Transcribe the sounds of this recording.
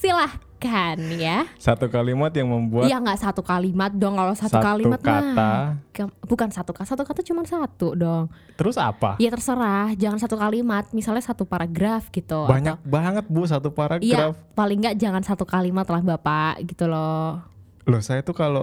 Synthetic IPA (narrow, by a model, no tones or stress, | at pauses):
silahkanjasat̪ukalimat̪̚jaŋməmbuajaŋɡaʔsat̪ukalimat̪̚dɔŋkalosat̪suakalimat̪katakambukansat̪ukasat̪ukat̪at͡ʃumansat̪udɔŋ | əɾʊsa̰pa̰jat̪ərsəɾahd͡ʒaŋansat̪ukalimat̪̚misalɲasat̪upaɾaɡɾafɡit̪uabaɲak̚baŋət̪̚bus̬at̪upaɾaɡjaɾafpalɪŋɡaʔd͡ʒaŋansat̪ukalimat̪lahbapaʔɡit̪ulo | losajat̪ukalo